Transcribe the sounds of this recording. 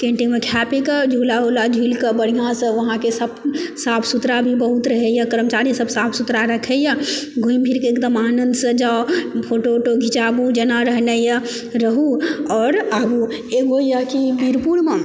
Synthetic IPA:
kẽɳʈimekʰapekəd͡ʒʱulaɦolad͡ʒʱilkəbəɽ̤ijãsə̃ʋəɦãkesəbsapʰsut̪ɾabʱibəɦut̪ɾəɦɛjəkəɾmt͡ʃaɾisəbsapʰsut̪ɾaɾəkʰɛjəɡʱũimbʰʱiɾkeːkd̪əmanənd̪sə̃d͡ʒaopʰoʈoʈoɡʱit͡ʃabud͡ʒənaɾəɦnɛjə | ɾəɦuɔːɾabu | eɡojəkibiɾpuɽme

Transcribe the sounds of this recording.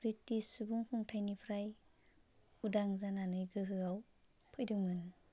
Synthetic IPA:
pɾitːisubuŋkʰuŋtʰajnipʰɾaj | udaŋzananɯjɡɯɦɯaw | pʰɯjdɯŋɯn

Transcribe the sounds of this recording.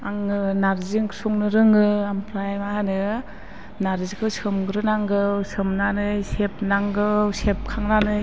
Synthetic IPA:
aŋɯnaɾziŋsuŋnɯɾɯŋɯampʰɾajmaɦanɯ | naɾzikʰɯwsɯmɡɯɾɯnaŋɡɯwsɯmnanɯjsep̚naŋɡɯwsep̚kʰaŋnanɯ

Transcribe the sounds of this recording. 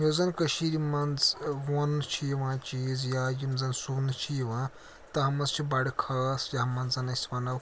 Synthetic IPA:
joːzɐnkɐʃiɾimɐnzʋont͡ʃʰijiʋãːt͡ʃiːzjajimzɐnsuːnt͡ʃʰijiʋãː | t̪ɐɦɐmɐzt͡ʃʰibaɽikʰɐːsjaɦɐmɐnzɐnɐsʲʋɐnɐw

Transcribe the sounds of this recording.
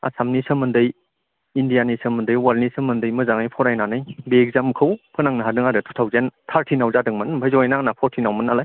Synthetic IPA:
a̰samnisəmɯndɯj | indijanisəmɯndɯjwalnisəmɯndɯjmɯzaŋɯjpʰɔɾajnanɯjbeːk̚zamkʰɯwpʰɯnaŋnɯɦadɯŋaɾɯtʰu̥tʰawzentʰaɾtʰinawzadɯŋmɯnmpʰajzɔjnaŋnapʰɔɾtʰinawmɯnalaj

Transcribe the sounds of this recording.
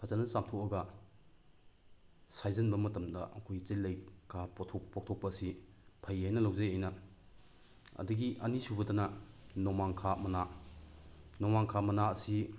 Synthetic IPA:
pʰat͡ʃanɐsamtʰɔɐɡɐ | sajzɐnbɐmɐtɐmdɐʔɐ̰kʰojt͡ʃejlːɐjkʰaptʰɔpɔk̚tʰɔk̚pɐːsi | pʰajhajnɐlawzɐjajnɐ | ɐ̰duɡiʔɐnisubɐtɐnɐnɔmaŋkʰamɐna | nɔmaŋkʰamɐnaɐsi

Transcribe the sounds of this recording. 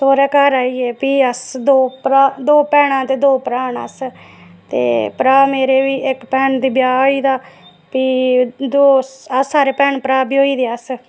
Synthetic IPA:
soːɾɛːkəɾaːiːɛːpiːəsd̪oːpɾad̪oːpɛːɽãːt̪eːd̪oːpɾaːnə̰s | t̪ḛːpəɾaːmeːɾeːʋiːʔɪkpɛːnd̪iːbjaːɦoiːd̪aː | piːd̪oːəsaːɾeːpɛːnpəɾaːbiːɦoːiːd̪eːəs

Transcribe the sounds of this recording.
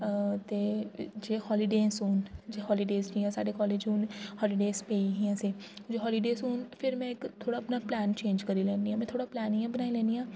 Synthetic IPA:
t̪eːd͡ʒeːhɔːlɪɖẽːsuːnd͡ʒeːɦɔːliɖeːsd͡ʒiãːsa̰ːɖekɔːleːd͡ʒuːnhɔːlɪɖeːspeːiɦiãsed͡ʒoːɦɔːliɖeːsuːnpʰɪɾmɛ̃ɪkt̪ʰːoːɽaːpnaplɛːnt͡ʃẽːnd͡ʒkəɾilɛ̃ːnd̪iɦãːmɛ̃ːt̪ʰoːɽaplɛːnijãbənaːilɛ̃ːnd̪iãː

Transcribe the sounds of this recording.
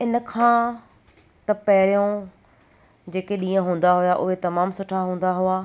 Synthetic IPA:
ɪnə̆kʰãː | t̪ɐpɐɦɾijõ | d͡ʑeːkeɗĩːə̃ɦũːn̆d̪aɦʊjaʔʊɦet̪ɐmaːmsʊʈʰaɦũːn̆d̪aɦʊaː

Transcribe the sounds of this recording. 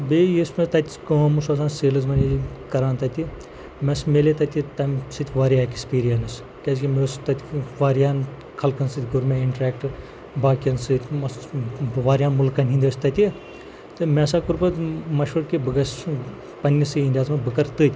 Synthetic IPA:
beːjismɐt̪ɐt̪ʲikoːmusɐsaːnseːlɨzmɐnʲikɐɾaːnt̪ɐt̪ʲi | mɛsmeːlet̪ɐt̪ʲit̪ɐmsɨt̪ʲʋaːɾijaːkʲispiːɾijɐnɨs | kʲɛskʲimeːst̪ɐt̪ʲʋaːɾjaːn | kʰɐlkɐnsɨt̪ʲɡuɾmɛːiɳʈɾɛːkʈɨ | baːkʲɐnsɨt̪ʲʰmɐsʋaːɾʲjaːnmulkɐnʲɦĩnd̪əst̪ɐt̪ʲi | t̪ɨmɛːs̬aːkuɾpɐt̪mɐʃʋuɾkibɨɡɐs | pɐnʲːisɨinʲd̪ʲaːzmɐbɨkɐɾt̪ɨːt̪ʲ

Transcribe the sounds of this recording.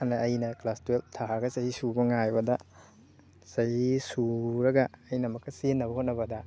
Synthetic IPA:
anɐːjnɐklastueltʰaɦɡɐsɐɦisubɐŋajbɐdɐ | sɐhisuɾɐɡɐːjnɐmɐkːɐsenːɐbɐhot̚nɐbɐdɐ

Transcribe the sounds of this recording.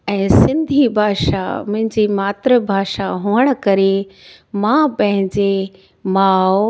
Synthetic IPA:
ɛ̃ːsɪ̃nd̪ʱibʱaːʃa̰mʊ̃ɦɪ̃ɲd͡ʑimaːt̪ɾəbʱaːʃaɦuːəɽ̃̆kɐɾe | mãpɐ̃ɦɪ̃ɲd͡ʑe | maːo

